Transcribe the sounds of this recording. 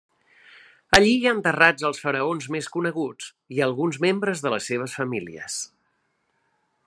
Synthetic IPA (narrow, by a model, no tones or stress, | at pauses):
əʎiaənt̪ərad͡zəlˠsfəɾəonzmeskunəɣud͡z | iəlˠɣunzmembɾəzðələsːeβ̞əsfəmilḭə̰s